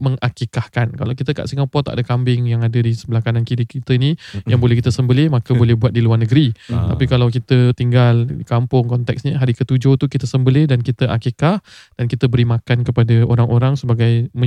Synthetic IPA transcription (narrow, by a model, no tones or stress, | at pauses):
məŋakikahkanka̰lawkit̪əka̰ʔsiŋapɔt̪a̰ʔdəkambɪŋjaŋadadisəbəlakanankiɾɪkit̪əinijaŋbolɛhkit̪əsəmbəlɪhmakəbolɛhbuat̪̚diluarnəɡəɾit̪a̰pikalawkit̪ət̪iŋɡalikampʊŋkɔnt̪ɛksɲəɦaɾikət̪ud͡ʒot̪ukit̪əsəmbəlɪhdankit̪əʔa̰kikahd̥ankit̪əbəɾimakankəpadəoɾaŋʔoɾaŋsəbaɡajmə